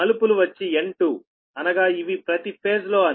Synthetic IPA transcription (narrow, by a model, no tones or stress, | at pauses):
ɐlupuluʋɐt͡ʃːieɳʈu | ɐnɐɡaːiʋipɾɐt̪ipʰe̞ːslo̞ːɐ